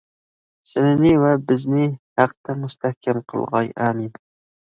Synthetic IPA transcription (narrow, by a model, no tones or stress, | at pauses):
sɪnɪnɪvɛbɪznɪhæqt̪ɛmust̪ʰæhkʲʰɛmqʰəlˠʁɑjɑːmin